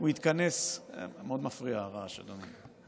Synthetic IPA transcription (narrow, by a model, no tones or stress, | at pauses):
uit̪kanesmeod̪mafʁiaʁaʃa̰dome